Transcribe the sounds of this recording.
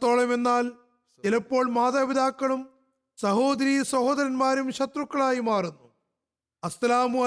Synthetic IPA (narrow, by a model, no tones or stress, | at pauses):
t̪ːo̞ːɭɐme̞nːaːl | ilɐpːo̞ːɭmaːðaːʋid̪aːkːɐɭum | sɐho̞ːd̪ɐɾijɐsɐhoːd̪ɐɾɐnmaːɾumɕɐt̪rukːɐɭaːjimaːrunːu | ɐslaːmuɐ